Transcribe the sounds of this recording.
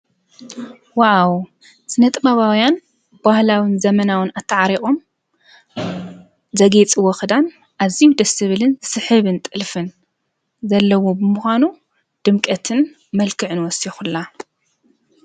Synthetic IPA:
waʕaw | sɨnɐt̪ʼɨbaβawjan | b̥ahlawɨnzɐmɐnawɨnat̪ʰːɨʕaɾiχʼo̞m | zɐɡet͡sʼiwɔxɨd̪an | ʔazijud̪ɐsɨβɨlɨnsɨħɨβɨnt̪ʼɨlfɨn | zɐlːɐwobɨmuxʷanu | d̪̥ɨmkʼɐt̪ʰɨn | mɐlkʰɨʕɨnwɔsixulːa

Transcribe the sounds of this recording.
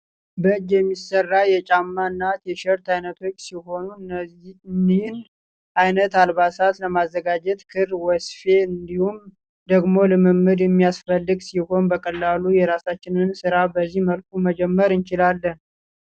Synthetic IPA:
bəɨd͡ʒjɛmːisərːajɛt͡ʃʼamːaɨnːat̪jɛʃɛɾt̪ajnət̪ʰo̞t͡ʃːsiɦo̞nu | nːin | ʔajnət̪alβasat̪ləmazːəɡad͡ʒɛt̪kʰɨrwɔsfe̞ɨnd̪ihum | d̪əɡmo̞lɨmɨmɨd̪jɛmːijasfəlːɨɡsiho̞nbəkʼəlːalujɛɾasat͡ʃːɪnɨnsɨɾabəzːihməlkʼuməd͡ʒɛmːəɾɨnt͡ʃɪlalːən

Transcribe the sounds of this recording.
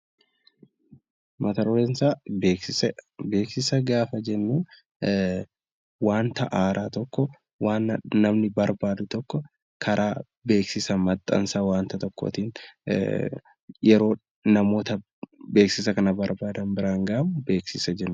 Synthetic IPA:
mɐt̪ɐɾɔlɛnsaːbeːksɪsɛbe̞ːksɪsɐɡaːfɐd͡ʒɛnːuːn | waːnt̪ɐʔaːɾaːt̪ɔkːɔ | waːnːnɐmnɪbɐɾbaːd̪ʊt̪ɔkːɔ | kʰɐɾʔaː | be̞ːksɪsɐmɐt̪ʼːɐ̰nsɐwaːnt̪ɐt̪ɔkːɔ̰t̪iːn | jɛɾo̞ː | nɐmo̞ːt̪ɐ | be̞ːksɪsɐkɐnɐbɐɾbaːd̪ɐmbɪɾaːŋɡɐʔɐmbe̞ːksɪsɐd͡ʒɛnːʊ

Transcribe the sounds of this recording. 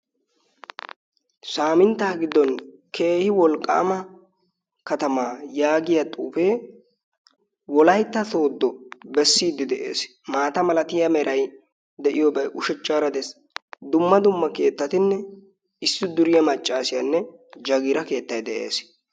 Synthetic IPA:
saːmɪnt̪ːaːɡɪd̪ːɔn | kʰeːhɪwɔlkʼːa̰ːmɐ | kɐt̪ɐmaːjaːɡɪjɐt̪ʼuːfe̞ː | wɔlɐjt̪ːɐt̪o̞ːd̪ːɔbɛsːiːd̪ːɪd̪ɛʔe̞̰ːs | maːt̪ɐmɐlɐt̪ɪjɐmɛɾʔɐj | d̪ɛʔɪjɔbɐjʔʊʃɛt͡ʃʼːaːɾɐd̪es | d̪ʊmːɐd̪ʊmːɐke̞ːt̪ːɐt̪ɪnːɛ | ɪsːɪd̪ʊɾɪjɐmɐt͡ʃʼːaːsɪjɐnːɛd͡ʒɐɡɪɾɐke̞ːt̪ːɐjd̪ɛʔe̞̰ːs

